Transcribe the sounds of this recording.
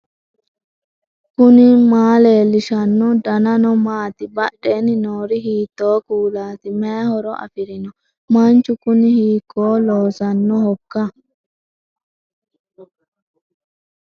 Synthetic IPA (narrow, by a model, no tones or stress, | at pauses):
kʊnɪmaːle̞ːlːɪʃɐnːɔd̪ɐnɐnɔmaːt̪ɪbɐɗːe̞ːnɪnoːɾɪɦiːt̪ːo̞ːkuːlaːt̪ɪmehɔɾɔʔɐ̰fɪɾɪnɔ | mɐnt͡ʃːʊkʊnɪhiːkːo̞ːloːsɐnːɔhɔkːɐ